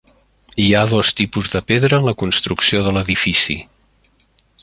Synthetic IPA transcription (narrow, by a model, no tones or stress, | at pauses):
iaðɔst̪ipuzðəpeðɾəːnləkunst̪ɾuksioðələðifisḭ